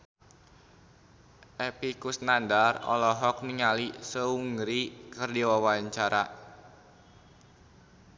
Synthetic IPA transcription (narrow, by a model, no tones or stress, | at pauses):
ʔɛpikusnandarɔ̰lɔɦɔk̚niŋalisəuŋɡɾikɨrdiwawaɲt͡ʃaɾa